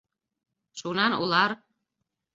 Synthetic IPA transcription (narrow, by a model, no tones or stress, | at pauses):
ʃunɑnṵlˠɑɾ